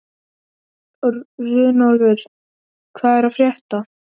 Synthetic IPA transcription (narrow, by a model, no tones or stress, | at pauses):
rʏːnalvɪɾ̥ | kʰvaːðɛɾafɾjɛht̪a